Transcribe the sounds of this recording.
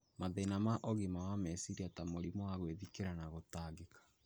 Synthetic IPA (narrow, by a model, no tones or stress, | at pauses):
maðenamaʔɔɣimawamɛsiɾiatamoɾimwaɣweðikeɾanaɣotaːɣekḁ